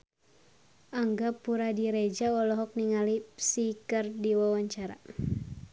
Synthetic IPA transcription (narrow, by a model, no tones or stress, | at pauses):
aŋɡapuɾadiɾɛd͡ʒaɔlɔɦɔk̚niŋalipsikɨrdiwawaɲt͡ʃaɾa̰